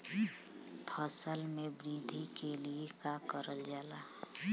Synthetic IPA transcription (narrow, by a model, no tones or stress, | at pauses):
pʰəsəlmẽbɾid̪ʱikeliekakəɾəld͡ʒaːlaː